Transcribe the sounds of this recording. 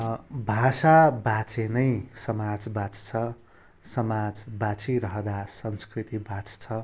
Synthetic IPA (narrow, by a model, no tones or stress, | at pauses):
bʱasabat͡sʰenʌjsʌmad͡zbat͡st͡sʰʌ | sʌmad͡zbat͡sʰiɾʌɦʌd̪asʌnskrit̪ibat͡st͡sʰʌ